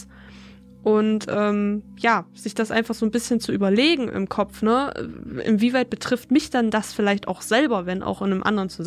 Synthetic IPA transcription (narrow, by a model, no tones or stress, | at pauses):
ʔʊntʔɛːmjaːz̥ɪçd̥asʔa̰ɪnfaχz̥oːnbɪsçənt͡suʔyːbɐleːɡŋ̩ʔɪ̰mkʰɔp͡fnə̰ɪ̰nviːvaɪt̚b̥ətʁ̥ɪftmɪçd̥andasfɪlaɪçta̰ʊxz̥ɛlbɐvɛnʔa̰ʊxʔɪnəmʔa̰ndəʁənt͡suz